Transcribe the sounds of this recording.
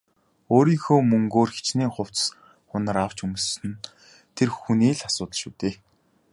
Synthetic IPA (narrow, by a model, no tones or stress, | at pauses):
oːɾiːŋxoːmɵŋɡoːrxi̥t͡ɕniːχʊw̥t͡ss | χʊnə̆ɾaw̥t͡ɕɵmɵ̆ssɘ̆n | t̪ʰerxuniːɮasʊːt̪ə̆ɮʃuːt̪eː